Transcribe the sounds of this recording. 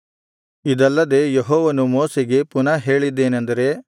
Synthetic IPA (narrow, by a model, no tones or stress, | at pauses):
id̪ɐlːɐd̪e̞ːjeɦɔːʋɐnumoːseɡe̞punɐɦe̞ːɭid̪ːe̞ːnɐnd̪ɐɾe̞